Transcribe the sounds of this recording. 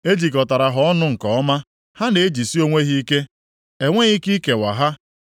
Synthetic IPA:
e˦d͡ʒi˨kɔ˨ta˨ɾa˨ɦɔ˦ɔ˦nʊ˦ŋ̩˨kɔ˨ɔ˦ma˦ | ha˦ne˨e˦d͡ʒi˨si˦o˦ŋʷe˦ɦi˦i˦ke˦ | e˨ŋʷe˦ɣi˦ki˦ke˨wa̰˨ɦa˦

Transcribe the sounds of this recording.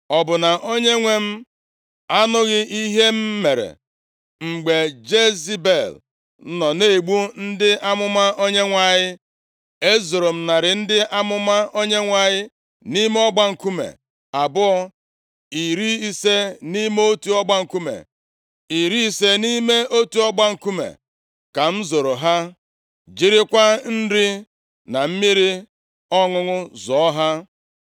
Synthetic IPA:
ɔ˨bʊ˨na˨ʔo˦ɲe˦ŋʷe˦m̩˦ | a˦nʊ˦ɣɪ˦ʔi˦ɦe˦m̩˦me˨ɾḛ˨ | ŋ͡m̩˨ɡ͡be˨d͡ʒe˦zi˦be˨l̩˦ | nɔ˨ne˦˨ɡ͡bu˦n̩˦dɪ˦a˦mʊ˦ma˦ʔo˦ɲe˦ŋʷa˨ɲɪ˦ | e˦zo˨ɾo˨m̩˨na˨ɾɪ˨n̩˦dɪ˦ʔa˦mʊ˦ma˦o˦ɲe˦ŋʷa˨ɲɪ˦ | ni˦me˦ɔ˦ɡ͡ba˦ŋ̩˨ku˦mḛ˨ | a˨bʊ˦ɔ˦ | i˨ɾi˦i˦se˦ni˦me˦o˦tu˨ɔ˦ɡ͡ba˦ŋ̩˨ku˦mḛ˨ | i˨ɾi˦i˨se˦ni˦me˦o˦tu˨˦ɔ˦ɡ͡ba˦ŋ̩˨ku˦mḛ˨ | ka˨m̩˦zo˨ɾo˨ɦa˦ | d͡ʒi˦ɾi˦kʷa˦n̩˦di˦ | na˨m̩˦mi˦ɾi˦ | ɔ˦ŋʊ˦ŋʊ˦zɔ˨ɔ˦ɦa˦

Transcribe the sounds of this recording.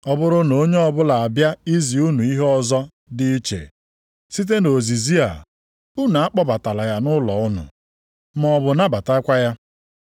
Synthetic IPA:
ɔ˨bʊ˦ɾʊ˦no˦ɲe˦ɔ˨bʊ˦la˨a˨bja˦i˦zi˨u˦nu˨i˦ɦe˦ɔ˨zɔ˦ | dɪ˦i˦t͡ʃḛ˨ | si˦t̬e˦no˨zi˨zi˦a̰˨ | u˦na˨a˦k͡pɔ˦ba˨ta˨la˨ja˨nʊ˦lɔ˨ʊ˦nʊ̰˨ | m˦ɔ˨bʊ˨na˦ba˨ta˦ɪ˦kʷa˦ja˦

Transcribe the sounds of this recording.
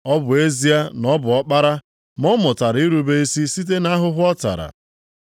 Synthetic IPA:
ɔ˦bʊ˨e˦zi˦a˦nɔ˦bʊ˨ɔ˦k͡pa˦ɾa˦ | mɔ˦mʊ˨ta˨ɾi˦ɾu˦be˦i˦si˦si˦t̬e˦na˦ɦʊ˦ɦʊ˦ɔ˦ta̰˨ɾa̰˨

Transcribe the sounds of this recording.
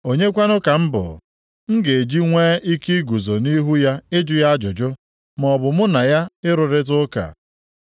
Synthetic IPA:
o˨ɲe˦kʷa˦nʊ˦ka˨m̩˦bʊ̰˨ | ŋ̩˦ɡe˨e˨d͡ʒi˦ŋʷeː˦ʔi˦ki˦ɡu˨zo˨ni˦ɦu˦ja˦ɪ˦d͡ʒʊ˨ja˦d͡ʒʊ˨d͡ʒʊ˦ | m˦ɔ˨bʊ˨mʊ˦na˨ja˦ɪ˦ɾʊ˨ɾɪ˦t̬ʊ˦ka̰˨

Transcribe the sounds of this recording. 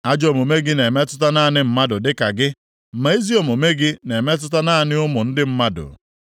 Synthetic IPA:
a˦d͡ʒo˨mo˨me˦ɡɪ˦ne˨me˦tʊ˦ta˦na˦˨nɪ˦m̩˦ma˦dʊ˨dɪ˦ka˨ɡɪ˦˨ | ma˨i˦zi˦o˨mo˨me˦ɡɪ˦ne˨me˦t̬ʊ˦ta˦na˦˨nɪ˦ʊ˦mʊ˨n̩˦dɪ˦m̩˦ma˦dʊ̰˨

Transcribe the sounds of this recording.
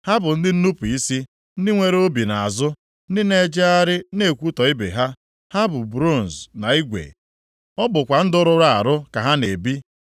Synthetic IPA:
ha˦bʊ˨n̩˦dɪ˦n̩˦nu˦pu˨i˦si˦ | n̩˦dɪ˦ŋʷe˨ɾe˦o˦bi˨na˨a˨zʊ˦ | n̩˦dɪ˦ne˦d͡ʒe˦a˦ɾɪ˦ne˦˨kʷu˦tɔ˨i˦bḛ˨ɦa˦ | ha˦bʊ˨bɾo˦˨n̩˨zna˨i˦ɡʷḛ˨ | ɔ˦bʊ˨kʷa˨n̩˦dʊ˦ɾʊ˦ɾa˦a̰˨ɾʊ˦ka˨ɦa˦ne˨bi˦

